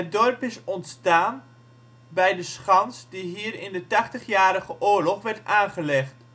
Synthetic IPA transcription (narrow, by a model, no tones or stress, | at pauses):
ɦət̚dɔrpɪsɔntstaːn | bɛjdəsχɑnsdiɦiːəɾɪndətɑχtəχjaːɾəχəʔʊːɹlɔχʋɛɹtaːnχəlɛχt